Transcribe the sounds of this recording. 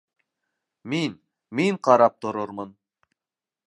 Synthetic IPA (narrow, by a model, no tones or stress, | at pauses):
min | miŋqʰɑɾɑp̚t̪ŏɾoɾmɤn